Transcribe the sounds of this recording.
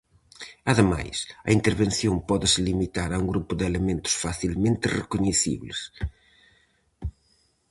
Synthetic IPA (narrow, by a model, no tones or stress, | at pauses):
ɐðɪma̰jsɐ̰int̪eɾβẽnθjõmpɔðɪsɪlimit̪aɾɐuŋɡɾupʊðɪelemẽnt̪ʊ̥sfaθilmẽnt̪ɪrḛkuɲeθḭβlɪs